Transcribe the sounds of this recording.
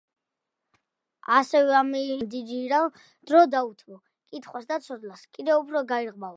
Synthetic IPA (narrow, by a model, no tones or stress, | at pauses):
asɛvɛamimd̪id͡ʒiɾal | d̪̥ɾɔd̪aut̪ʰmɔ | kʼit̪ʰχwasd̪at̪sʰɔd̪laskʼid̪ɛupʰɾɔɡaiɾʁma